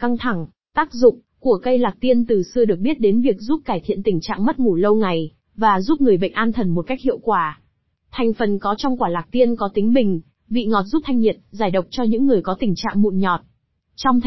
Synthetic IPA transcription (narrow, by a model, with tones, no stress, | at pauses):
ka˧ŋt̪ʰa˧˩ŋ | t̪aː˦˥k̚zʊ̰˧˨ŋ͡m | ku˧˩əkə˧jlaː˨˩k̚t̪i˧ənt̪ɨ˨˩sɨ˧əɗɨ˨˩ək̚ɓi˦˥ət̚ɗe˨˦nvi˨˩ək̚zu˦˥p̚kaː˧˩jt̪ʰḭ˧˨ənt̪ï˨˩ŋ̟t͡ɕa̰ː˧˨ŋmə˦˥t̚ŋu˧˩lə˧wŋa˨˩j | vaː˨˩zu˦˥p̚ŋɨ˨˩əjɓə̰˧˨ŋ̟ʔaː˧nt̪ʰə˨˩nmo˨˩ka˦˥k̚hḭ˧˨əwkwaː˧˩ | t̪ʰa˨˩jŋ̟fə˨˩nkɔ˨˦t͡ɕɔ˧wŋ͡mkwaː˧˩laː˨˩k̚t̪i˧ənkɔ˨˦t̪ï˨˦ŋ̟ɓï˨˩ŋ̟ | vḭ˧˨ŋɔ˨˩t̚zu˦˥p̚t̪ʰa˧jŋ̟ɲi˨˩ət̚zaː˧˩jɗə˨˩wk͡p̚t͡ɕɔ˧ɲɨ̰˧˥ŋːɨ˨˩əjkɔ˨˦t̪ï˨˩ŋ̟t͡ɕa̰ː˧˨ŋmṵ˧˨nɲɔ˨˩t̚ | t͡ɕɔ˧wŋ͡mt̪